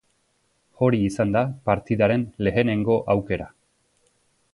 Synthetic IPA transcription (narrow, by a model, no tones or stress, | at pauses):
o̞ɾiːsand̪apaɾt̪iðaɾe̞nle̞ene̞ŋɡo̞ʔawke̞ɾa